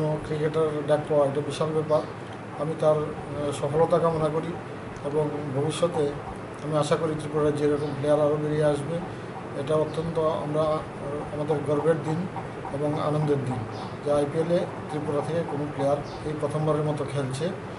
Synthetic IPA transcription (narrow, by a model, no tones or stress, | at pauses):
nokɾikeʈaɾɖak̚paeʈabiʃaɾbepaɾ | amit̪aɾ | ʃɔpʰɔlɔt̪akamonakoɾi | eboŋbʱobiʃːɔt̪e | amiaʃakoɾit̪ɾipuɾaɾed͡ʑeɾɔkɔmplejaɾaɾobeɾieaʃbe | eʈaot̪ːɔnt̪oa̰mɾa | amad̪eɾɡɔɾbeʈ̚d̪in | eboŋa̰nond̪eɾd̪in | d͡ʑeajpielet̪ɾipuɾat̪ʰekekonoplejaɾ | ejpɾɔt̪ʰɔmbʱaɾeɾmɔt̪okʰelt͡ɕʰe